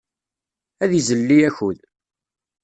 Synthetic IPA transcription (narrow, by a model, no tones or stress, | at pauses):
æðizəlːiæçuð